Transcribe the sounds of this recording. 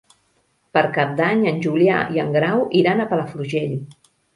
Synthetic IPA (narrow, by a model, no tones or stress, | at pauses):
pəɾkap̚d̪aɲənʲʒulja̰iəŋɡɾawʔiɾanəpələfluʒeʎ